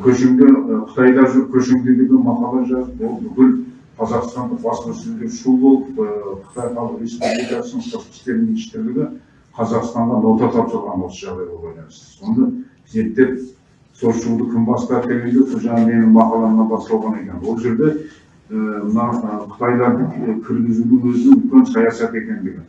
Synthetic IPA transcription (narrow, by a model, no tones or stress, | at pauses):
kʲʰɵʃɪmɡʲɪqʰə̥t̪ɑjd̪ɑʒʏɾkʲʰɵʃemɡʲend̪eɡʲɪmɑqɑlˠɑʒɑzəp̚wʊlˠbɪkʲʏl | qʰɑzɑqst̪ɑnd̪əq̚bɑspəɾsɡ̪ʲeʃulˠbo̞lˠəpəqʰə̥t̪ɑjqʰɑlˠəqɾe̞spublʲikijɑsənq̪ʰəspʲɪ̥st̪e̞ɾmɪnist̪ɪɾlɪɡʲɪ | qʰɑzɑqst̪ɑnd̪ɑnot̪ɑt̪ʰɑpsəlˠʁɑnwo̞sə̥ʒɑʁd̪ɑjʁɑbɑjlˠɑnəst̪ə̥so̞nd̪ɑ | ze̞t̪ːe̞p̚ | so̞lˠʃud̪əkʲʰʏnbɑst̪ɑkʲʰeɡʲend̪esoʒɑɴɑme̞nɪŋmɑqɑlˠɑmənɑbɑst̪ɑlˠʁɑne̞kʲe̞nwo̞lˠʒe̞ɾd̪e̞ | əmənɑəqʰə̥t̪ʰɑjd̪ˠɑkʲʰɪɾɡʲɪzud̪ɪŋwɵzɪnɪŋʏkʲensɑjɑsɑt̪e̞kʲe̞nd̪ɪɡʲɪn